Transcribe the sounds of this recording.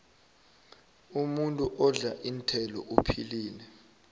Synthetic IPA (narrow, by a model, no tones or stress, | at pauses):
umuntʼuʔɔɮaʔin̩tʰɛlɔ̰ʔupʰiliːnɛ